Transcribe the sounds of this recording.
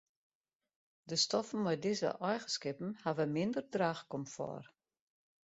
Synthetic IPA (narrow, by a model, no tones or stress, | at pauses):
dəstɔfn̩mɛjdizə̰ʔɔjɣəskɪpn̩havəmɪndərdraːxkɔmfɔ̰r